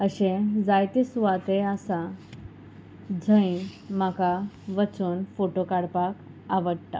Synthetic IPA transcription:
əɕẽd͡zajt̪isuʋat̪easa | d͡zʱəĩmakaʋət͡suːnfoʈokaɽpak | aʋəɽt̪a̰

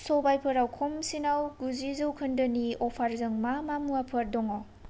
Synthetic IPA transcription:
sɔbajpʰəɾawkʰɔmsinawɡuzizɯwkʰɐndɯniɔpʰaɾzɯŋmamamuapʰɐɾdɔŋaw

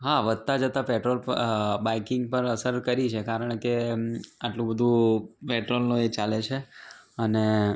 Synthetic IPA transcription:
ɦaʋəd̪̚t̪ad͡ʒət̪apeʈɾolpbaikɪŋɡpəɾəsəɾkəɾit͡ʃʰekaɾəɳkeaʈlũbəd̪ʱũpeʈɾolnoet͡ʃalet͡ʃʰeəne

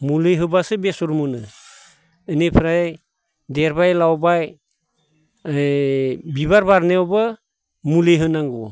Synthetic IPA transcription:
mulɯjɦɯbasɯbesuɾmunɯː | nepʰɾaj | deɾbajlawbaj | biβaɾbaɾneɔba | mulejɦɯnaŋɡu

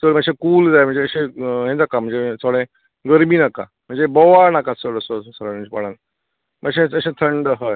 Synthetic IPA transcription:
səɭməɡɕekuːld͡zajm̤əɳd͡zeəɕeɦẽd͡zakam̤əɳd͡zet͡sʰoɽẽ | ɡəɾmiːnaka̰ | m̤əɳd͡zebɔʋaɾnakasəɭəsossəɾãt͡ɕpaɽan | məɡɕẽəɕẽt̪ʰəɳɖəɦəj

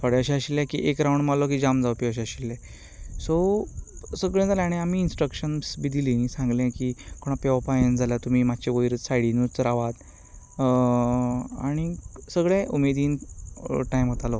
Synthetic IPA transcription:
fʰəɽẽəɕɛəɕilːɛ̃kḭʔekɾawɳɖmalɔk̬id͡ʑamd͡zaʋpiəɕ̬əɕilːɛ̃ | so | səɡɭẽd͡zalẽaɽ̃iam̤iːnsʈɾəkɕənsbid̪ʱilinisãŋɡlɛ̃kikoɽ̃apeʋapajənd͡zʱalat̪um̤iːmat͡ɕeʋəjɾt͡ssajɽinuɾt͡sɾaʋat̪ | a̰ɽ̃isəɡɭɛ̃ʔumed̪iːn | ʈajmɦət̪alɔ

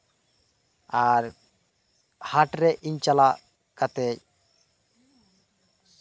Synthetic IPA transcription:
aɾ | haʈɾɛʔiɲt͡ʃala | kat̪ɛc

